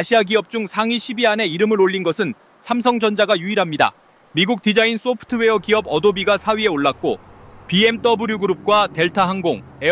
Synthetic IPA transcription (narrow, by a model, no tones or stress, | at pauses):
aɕʰiaɡiʌp̚t͡ɕ͈uŋsʰaŋiɕʰibiɦane̞iɾɯmɯɾoɭːinɡʌsʰɯn | sʰamsʰʌŋd͡ʑʌnd͡ʑaɡajuiɾɦamɲida̰ | miɡuk̚t͈id͡ʑains͈opʰɯ̥tʰɯwe̞ʌkiʌbʌdobiɡasʰaɥie̞oɭːak̚k͈opie̞mt͈ʌbɯɾjuɡuɾup̚k͈wate̞ɭtʰaɦaŋɡoŋ | e